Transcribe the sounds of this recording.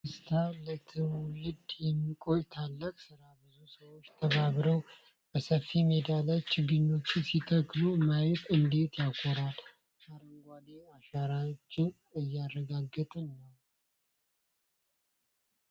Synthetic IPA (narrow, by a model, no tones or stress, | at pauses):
ɨst̪ʰalət̪ʰɨmulɨd̪jɛmːikʼo̞jt̪ʰalːəkʼsɨɾabɨzusəwo̞t͡ʃːt̪ʰəβaβɾəw | b̥əsəfːime̞d̪alat͡ʃːɪɡɨɲːo̞t͡ʃːɪsit̪ʰəklumajɛt̪ʼɨnd̪e̞t̪jakʰːoɾal | kʰaɾəŋɡʷaleaʃaɾat͡ʃːɪn | ɨjːarːəɡaɡːət̪ʼɨnːəw